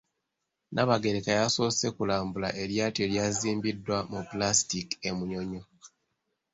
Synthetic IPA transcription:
nʔaβaɡe̞ɾekajasose̞kulaːmbulaʔe̞ɾjaːtjo̞ljaːziːmbidːwamuplastike̞muɲoɲo

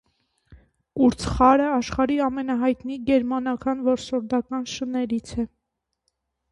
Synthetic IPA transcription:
kuɾt͡sʰχɑɾəɑʃχɑɾiɑmɛnɑɦɑjt̪niɡɛɾmɑnɑkɑnvɔɾsɔɾd̪ɑkɑnʃənɛɾit͡sʰɛ

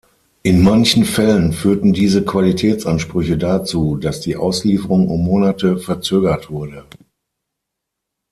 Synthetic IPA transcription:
ʔɪnmançn̩fɛlənfyːɐtn̩diːzəkv̥alitʰɛːt͡sʔanʃpʁ̥ʏçədat͡suːdasd̥iːʔa̰ʊsliːfəʁʊŋʊ̰mːoːnatəfɛɐt͡søːɡɐtv̥ʊɐdə

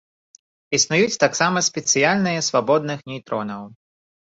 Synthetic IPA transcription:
isnʊjut͡sʲt̪aksamɐsʲpʲɛt̪sɨjalʲnɨjɐsvabɔd̪nɨxnʲijt̪ɾɔnɐw

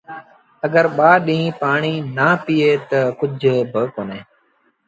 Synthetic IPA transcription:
əɡəɾɓaːɗĩĩpaːɳiːnaːpiːeːt̪əkʊd͡ʒʱbəkoːnẽː

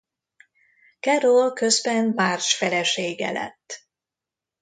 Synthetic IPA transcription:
karolkø̞zbɛnmaːrʃfɛlɛʃeːɡɛ̰lɛ̰t̪ː

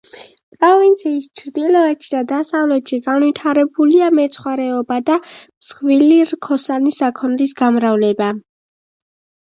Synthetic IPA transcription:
pʼɾɔvint̪sʰiːst͡ʃʰɾd̪ilɔɛt̪ʰi̥d̪ad̪asavlɛt̪ʃiɡanvit̪ʰaɾɛbuliamɛt̪sʰχwaɾɛɔbad̪amsχviliɾkʰɔsanisakʰɔnɾisɡamɾavlɛba

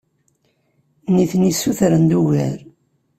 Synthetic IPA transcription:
niθnisːuθɾənd̪uʝə̰ɾ

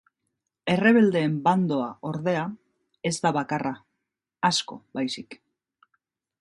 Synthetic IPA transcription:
e̞re̞β̞e̞ld̪e̞ːmband̪o̞aʔo̞ɾðe̞a | e̞ztd̪aβakara | asko̞̰bajsik

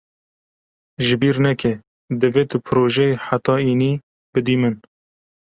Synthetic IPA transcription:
ʒɪbiːɾnɛkɛ | d̪ɨveːt̪ɨpʰɨɾoːʒɛħat̪ɑːiːniː | bɨd̪iːmɨn

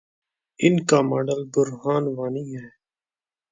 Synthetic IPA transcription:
ɪnkaːmaːɖəlɡʊɾɦaːnʋaːniːɦɛː

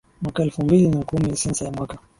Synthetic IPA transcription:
mwakaɛlfumbilinakumisɛnsajamwaka

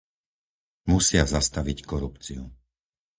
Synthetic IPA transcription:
musɪazast̪aʋickɔɾupt͡siu

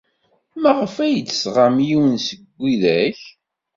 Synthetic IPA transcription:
mæʁəfæjət͡sːsʁamjiwənsəɡʷːiðæç

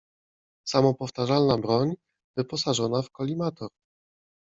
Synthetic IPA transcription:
samɔpɔft̪aʐalnabɾɔɲ | vɘpɔsaʐɔnafkɔlʲimat̪ɔɾ

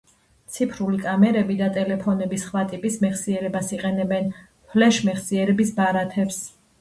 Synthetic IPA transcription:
t̪sʰipʰɾulikʼamɛɾɛbid̪at̪ʼɛlɛpʰɔnɛbisχwat̪ʼipʼismɛχsiɛɾɛbasiqʼɛnɛbɛn | pʰlɛʃmɛχsiɛɾɛbisbaɾat̪ʰɛps

